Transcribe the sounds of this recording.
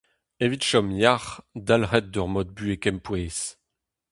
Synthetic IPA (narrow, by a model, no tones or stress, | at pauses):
evit̪ʃɔmjaʁd̪alʁɛt̪̚d̪œʁmɔd̪̚byekɛmpweːs